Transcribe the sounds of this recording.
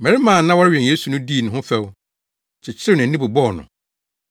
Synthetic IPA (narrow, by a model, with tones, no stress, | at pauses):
mɛ˨ɾɪ˦mãː˨nã˦wɔ˦ɾɥᶣɛ̃˨njeː˦su˨nʊ̃˦diː˦˨nʊ̃˨ɦʊ̃˦fɛ˦˨w | t͡ɕʰɪ˨t͡ɕʰɪ˦ɾɪ˦nã˨n̩˦ĩ˦bʊ˨bɔ˦˨nʊ̰̃˨